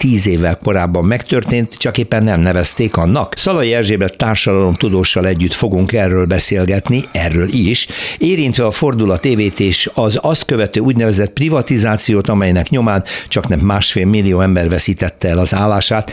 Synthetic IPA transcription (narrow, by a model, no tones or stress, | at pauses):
t̪iːzeːvːɛlko̞ɾaːbːɒmːɛkt̪ø̞rt̪eːnt̪t͡ʃɒkeːpːɛnːɛmnɛvɛst̪eːkɒnːɒksɒlɒjiɛrʒeːbɛt̪aːrʃɒd̪ɒlo̞mt̪ud̪oːʃːɒlɛɟːyt̪fo̞ɡuŋkɛrːøːlbɛseːlɡɛt̪niɛrːøːliʃeːɾint̪ʋɛɒfo̞rd̪ulɒt̪eːveːt̪eːʃɒzɒst̪kø̞vɛt̪øːuːɟnɛvɛzɛt̪̚privɒt̪izaːt̪sijoːt̪ɒmɛjnɛkɲo̞maːnt͡ʃɒknɛmːaːʃfeːlmilːijoːɛmbɛrvɛsiːt̪ɛt̪ːɛɛlɒzaːlːaːʃaːt̪